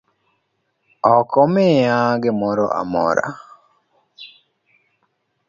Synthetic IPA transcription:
ɔkɔmejaɡɪmɔɾɔ̰ʔa̰mɔ̰ɾa̰

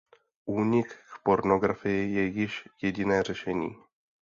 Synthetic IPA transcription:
ʔuːɲɪkkpoɾnoɡɾafɪjɪjɛjɪʃjɛɟɪnɛːr̝ɛʃɛɲḭː

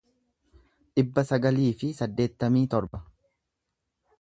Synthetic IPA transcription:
ᶑɪbːɐsɐɡɐliːfɪsɐd̪ːe̞ːt̪ːɐmiːt̪ɔɾbɐ

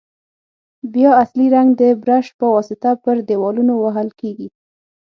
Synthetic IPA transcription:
bjɑasliɾaŋɡd̪əbɾaʃpəwɑsɪt̪apəɾd̪ewɑlunowaɦəlkeɡi

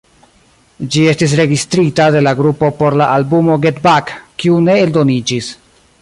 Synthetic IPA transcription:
d͡ʒie̞stis̬ɾe̞ɡistɾitade̞laɡɾupo̞po̞ɾlaʔalbumo̞ɡetbakkːiune̞eldo̞nid͡ʒis

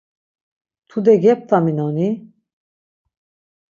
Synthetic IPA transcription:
t̪ʰud̪ɛɡɛp̚t̪aminɔni

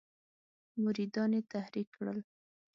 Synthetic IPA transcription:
mʊɾid̪ɑnet̪ahɾikːɽə̰l

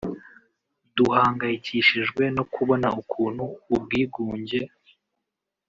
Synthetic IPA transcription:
duhaːŋɡajiciʃiʒɡwe̞no̞kʰuβo̞naukʰuːnhuːb̚ɡiːɡuːɲɟe̞

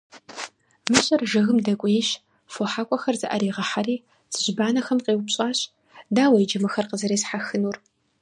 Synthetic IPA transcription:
mɨɕʼɐrʒɐɣɨmdɐkʷʼijɛɕ | foħaːkʷʼɔxɐrzɨʔɐɾiːʁɐħaɾiː | z̥ɨʑbaːnɐxɐmqʼeːwpɕʼaːɕ | daːwɐjd͡ʒɐmɐxɐrqəzɐɾeːzħaxɨnuːr

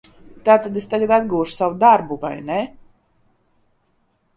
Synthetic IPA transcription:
t̪aːt̪ad̪est̪aɡad̪ad̪ɡuːʃu̥savud̪aɾbuva̰jnɛ

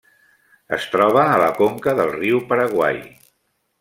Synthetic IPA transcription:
ə̰st̪ɾɔβ̞əːləkoŋkəðəlˠriwpəɾəɣwa̰j

